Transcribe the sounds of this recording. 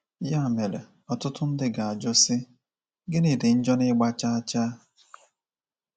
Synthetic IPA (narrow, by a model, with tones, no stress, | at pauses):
ja˦˨me˨le˨ | ɔ˨tʊ˦tʊ˦n̩˦dɪ˦ɡa˨a˨d͡ʒʊ˦sɪ˦ | ɡɪ˦ni˨dɪ˨n̩˦d͡ʒɔ˦nɪ˦ɡ͡ba˦t͡ʃa˦a˦t͡ʃaː˦